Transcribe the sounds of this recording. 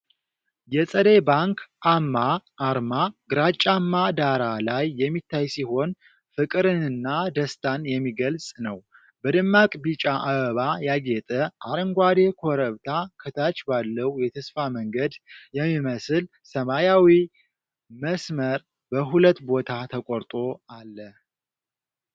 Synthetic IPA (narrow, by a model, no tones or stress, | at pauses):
jɛsʼəd̪ebaŋkʰamːaːɾmaɡɨɾat͡ʃʼamːad̪aɾalajːɛmːit̪ʰːajsiho̞n | fɨkʼɨɾɨnɨnːad̪əst̪ʰanjɛmːiɡəlsʼnəw | bəd̪ɨmːakʼbit͡ʃʼaʔaβəβajaɡet̪ʼəʔaɾɨŋɡʷad̪e̞kʰoɾəβt̪ʰakʰɨt̪ʰat͡ʃbalːəhjɛt̪ʰəsfaməŋɡəd̪jɛmːiməsɨl | səmajawi | məsməɾ | bəɦulət̪ːbo̞t̪ʰat̪ʰəkʼoɾt̪ʼo̞alːə